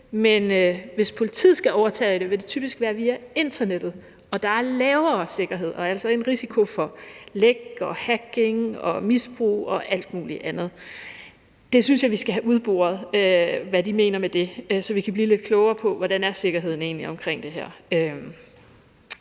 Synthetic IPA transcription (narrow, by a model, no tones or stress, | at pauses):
menøʋe̝spʰo̝lit͡sʰḭð̰ˠsɡ̥æʔɒʊɐt͡sʰɛ̰ːid̥e̝ʋe̝d̥e̝t͡sʰy̰ːb̥isɡ̥ʋæːɐʋiːæe̝nd̥ɐned̥ð̩ˠ | ɒ̽d̥ɑ̈æɐlɛːʊɐːse̝ɡ̥ɐɦe̝ð̞̰ˠɒ̽ɐælsɒe̝nʁisikʰo̝fɒ̽leɡ̥ɒ̽hæɡ̥e̝ŋɒ̽misb̥ʁṵːɒ̽ʔæl̰d̥muːliʔænð̞̩ˠ | d̥e̝synsjɑ̈ʋisɡ̥æɦæʔuð̞ˠb̥o̝̰ːɐð̞ˠøʋædime̝ːnɐmed̥e̝øsɒ̽ʋikʰæb̥liːle̝d̥̚kʰlɔʊɐːpʰɒ̽ʋɒɾ̥ænæɐse̝ɡ̥ɐɦe̝ð̞̰ˠn̩e̝ːnliɒ̽mkʰʁeŋ̰d̥e̝ɦæɐ̰øm